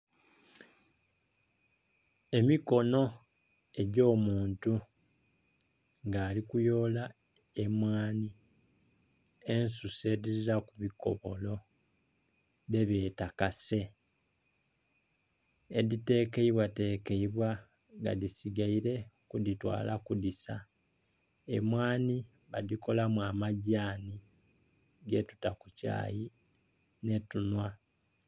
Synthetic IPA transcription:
e̞miko̞no̞ | e̞ɟo̞ːmuːntu | ŋɡaːlikujo̞ːla | e̞mwaːni | e̞nsuse̞diɾiɾakuβiko̞̰βo̞lo̞ | ðe̞βje̞ːtakase̞ | dite̞ke̞iβwate̞ːke̞iβwa | ŋɡa̰disiɡaiɾe̞kuditwa̰ːlakudisa | emwaːni | βaðiko̞lamwamaɟaːni | ɡe̞tu̥takuca̰ːji | ne̞tunwa

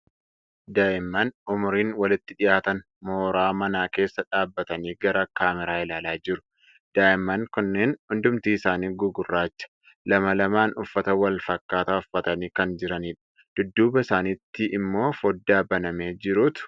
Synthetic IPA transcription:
d̪aːʔɪmːɐnʊmʊɾiːnwɐlɪt̪ːɪᶑɪjaːt̪ɐn | moːɾaːmɐnaːke̞ːsːɐᶑaːbːɐt̪ɐniːɡɐɾɐkaːmɛɾaːɪlaːlaːd͡ʒɪɾʊ̥ | d̪̥aːɪmːɐnkʊnːeːnhʊnd̪ʊmt̪iːɪsaːniːɡʊɡʊrːaːt͡ʃːɐ̥ | lɐmɐlɐmaːnʊfːɐt̪ɐwɐlfɐkːaːt̪aːʊfːɐt̪ɐniːkɐnd͡ʒɪɾɐniːᶑɐ̥ | d̪̥ʊd̪ːuːbɐɪsaːniːt̪ːɪʔɪmːo̞ːfɔd̪ːaːbɐnɐme̞ːd͡ʒɪɾuːt̪ʊ̥

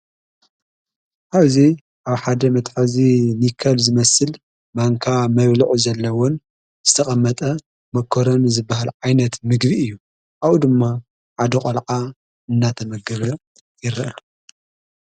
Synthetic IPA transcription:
ʔaβzi | ʔaβħad̪ɐmɐt̪ʼħazinikʰɐlzɨmɐsɨl | maŋkʰamɐβluʕuzɐlːɐwon | z̥ɨt̪ʰɐχʼɐmːɐt̪ʼɐ | mɐkʰːoɾonzɨbːahalʕajnɐt̪mɨɡbiɨjːu | ʔawud̪ɨmːa | ʕad̪ɐqʼɐlʕa | ɨnːat̪ʰɐmɐɡɐβɐ | jɪɾɐʔɐl

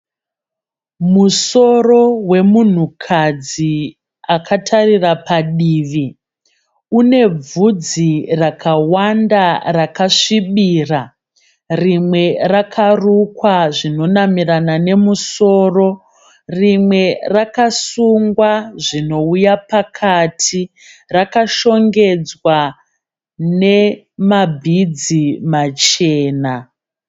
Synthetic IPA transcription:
muso̞ro̞we̞mun̤ukʰad͡zi | akʰatʰarirapaɗiːʋi | une̞b͡vud͡zirakʰawandarakaʂiɓiːra | rimwe̞rakʰarukwaʐino̞namiranane̞muso̞ːro̞ | rimwe̞rakasuŋɡwaʐino̞ujapakʰatʰi | rakaʃo̞ŋɡe̞d͡zwa | ne̞ | mabʱid͡zimat͡ʃe̞ːna

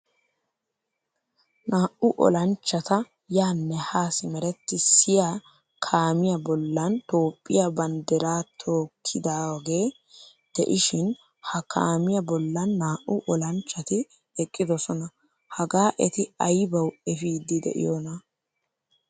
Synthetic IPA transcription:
naːʔʊʔɔ̰lɐnt͡ʃːɐt̪ɐ | jaːnːɛhaːsɪmɛɾɛt̪ːɪsɪjaː | kʰaːmɪjɐbɔlːɐnt̪o̞ːpʼːɪjabɐnd̪ɛɾaːt̪ʰo̞ːkʰːɪd̪aːwɡe̞ː | d̪̥ɛ̰ʔɪʃɪn | hɐkʰa̰ːmɪjɐbɔlːɐnːaːʔʊʔɔlɐnt͡ʃʼːɐt̪ɪ | ɛkʼːɪd̪ɔsɔnɐ | hɐɡaːʔɛt̪ɪɐjbɐwɛfiːd̪ɪd̪ɛ̰ʔɪ̰jonɐ

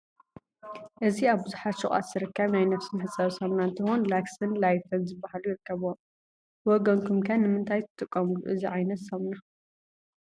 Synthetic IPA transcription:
ʔɨziaβbɨzuħat̪ʃɨχʼa̰t̪z̥ɨɾɨkːɐβnajnɐfsɨnħɨt͡sʼːɐβsɐmnaɨnt̪ʰɨhonlaksɨnlajfɨnzɨbːahalujɪɾɨkːɐβom | wɔɡɐŋkʰumkʰɐnːɨmɨnt̪ʰajt̪ʰɨ̥t̪ʼɨkʼːɐmulṵʔɨziʕajnɐt̪sɐmna

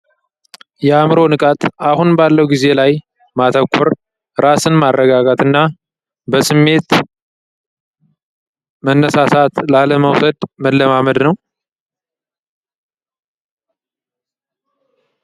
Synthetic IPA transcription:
jɛamɾo̞nɨkʼat̪ʼahunbalːəwɡize̞laj | mat̪ʰəkʰʷːɔɾ | ɾasɨnmarːəɡaɡat̪ɨnːa | bəsɨmːe̞t̪ | mənːəsasat̪laləməwsəd̪məlːəmaməd̪nəw

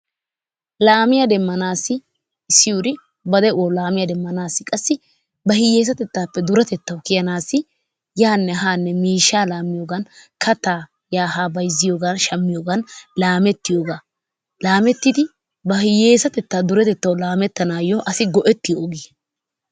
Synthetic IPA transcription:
laːmɪjad̪ɛmːɐnaːsːɪ | ɪsːɪjud̪ɪ | bɐd̪ɛʔwoːlaːmɪjɐd̪ɛmːɐnaːsːɪkʼɐsːɪ | bɐhɪjeːs̬ɐt̪ɛt̪ːaːpːɛd̪ʊɾɐt̪ɛt̪ːɐwkɪjɐnaːsːɪ | jaːnːɛɦaːnːɛmiːʃːaːlaːmɪjoːɡɐnkɐt̪ːaː | jaːhaːbɐjzːɪjoːɡɐnʃɐmːɪjoːɡɐnlaːmɛt̪ːɪjoːɡaː | laːmɛt̪ːɪd̪ɪ | bɐhɪjeːsɐt̪ɛt̪ːaːd̪ʊɾɛt̪ɛt̪ːɐwlaːmɛt̪ːɐnaːjoʔɐsɪɡɔʔɛt̪ːɪjoːɡiː

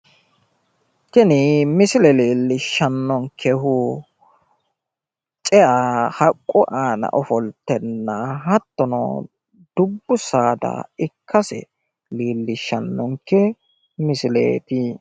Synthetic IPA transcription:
kɪnɪmɪsɪlɛliːlːɪʃːɐnːɔŋkʰːɛɦʊ | t͡ʃʼɛahɐkʼːɔʔaːnɐ̰ʔɔfɔlt̪ːɛnːɐɦɐt̪ːɔnɔ̰ | d̪̥ʊbːʊsaːd̪ɐ̰ɪkʰːɐsɛ̰ | liːlːɪʃːɐnːɔŋkːɛ | mɪsɪlḛːt̪ɪ

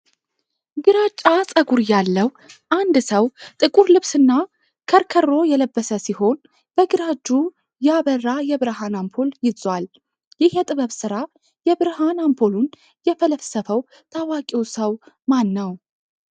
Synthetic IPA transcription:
ɡɨɾat͡ʃʼːasʼəɡuɾjalːəw | ʔand̪səwt̪ʼɨkʼuɾlɨβsɨnːa | kʰəɾkʰərːo̞jɛləbːəsəsiho̞n | bəɡɨɾad͡ʒːu | jaβərːajɛβɨɾɦanampʰo̞ljɪzwal | jɪhjɛt̪ʼɨβəβsɨɾa | jɛβɨɾɦanampʰo̞lun | jɛfələfsəfəw | t̪ʰawakʼiwsəw | manːəw

